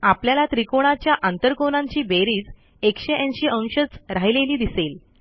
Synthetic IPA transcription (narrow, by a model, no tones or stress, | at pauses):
apljalat̪ɾikoɽ̃at͡ɕjaʔãnt̪əɾkonãɲt͡ɕiːbeɾiːd͡z | ekɕeʔẽnɕiːʔə̃w̃ɕət͡sɾaɦileliːd̪isel